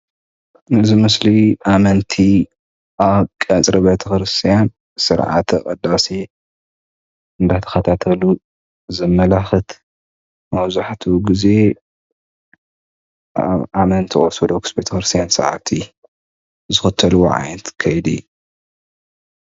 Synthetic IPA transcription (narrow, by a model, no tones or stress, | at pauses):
nɨzimɨsliʔamɐnt̪ʰi | ʔaβkʼɐt͡sʼɾibet̪ʰɐkɾɨst̪ʰijan | sɨɾʕa̰t̪ʰɨkʼɐd̪ːase | ɨnd̪at̪ʰɐ̥xɐt̪ʰat̪ʰɐlu | zɐmːɐlaxɨt̪ | mɐβzaħt̪ʰuɡize̞ | amɐnt̪ʰiʔʼoɾsɐd̪okʰɨ̥sbet̪ʰɐxɾɨst̪ʰijansɨ̰ʕa̰t̪ʰi | zɨxɨt̪ʰːɐluwo̰ʕa̰jnɐt̪kʰɐjd̪ḭju